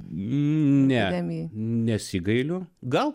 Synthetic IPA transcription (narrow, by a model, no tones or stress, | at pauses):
nʲɛminʲɛsʲɪɡɐɪlʲʊɡɐlˠ